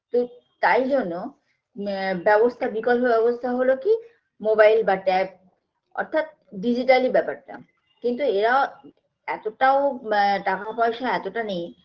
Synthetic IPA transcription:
t̪o | t̪ajd͡ʑonːo | bɛbost̪ʰabikɔlpobɛβost̪ʰaɦoloki | mobajlbaʈɛp̚ | ɔ̰ɾt̪ʰat̪̚ | ɖid͡ʑiʈalibɛpaɾʈa̰ | kint̪̬ueɾao | ɛt̪oʈaoʈakapɔjeʃaɛt̪oʈanej

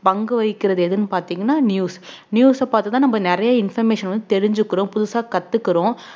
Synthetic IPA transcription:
pɐŋɡɯʋɐɪkːɪɾɐðɯɛðɯnːɯpaːɾt̪iːŋɡɐnːaːnjuːs | njuːsɐpaːɾt̪ɯt̪ãːnɐmbɐnɪɾɐjɐɪnfɐɾmeːʂɐnʋɐnd̪ɯt̪ɛɾɪɲd͡ʒɯkːɯɾõːpʊðʊsaːkɐt̪ːɯkːɪɾõː

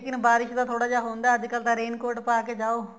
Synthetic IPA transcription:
kɪnbaːɾɪʃd̪aːt̪ʰoːɽaːd͡ʒaːɦõːnd̪aːəd͡ʒkəlt̪ãːɾeːnkoːɾʈpaːkeːd͡ʒaːoː

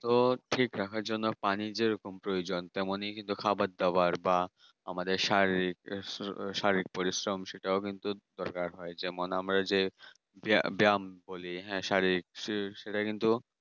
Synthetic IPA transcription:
t̪oʈʰikɾakʰaɾd͡ʑonːopanid͡ʑeɾokompɾojod͡ʑont̪ɛmonejkint̪ukʰabat̪̚d̪aaɾba | amad̪eɾʃaɾiɾik̚ | ʃaɾiɾik̚poɾisɾomʃeʈaokint̪ud̪ɔɾkaɾɦɔed͡ʑɛmonamɾad͡ʑe | ba̰biamboliɦɛ̃ʃaɾiik̚ʃʃeʈakint̪u

